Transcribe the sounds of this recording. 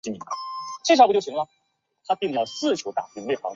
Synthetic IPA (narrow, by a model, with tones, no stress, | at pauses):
i˧˥˩mi˧˥a˥˩t͡ɕʰe˥˩ʂɑ˥pjo˥˩ɕi˧˥ŋlə˨ | t̪ʰa˥pi˥˧˩ŋ˧˩jɑ˥˧˩sɹ̩˥˩t͡ɕʰjo˧˥ʊt̪a̰˥˩pi˥ŋwe˥˩ɪxɑ̰˨˧˥ʊ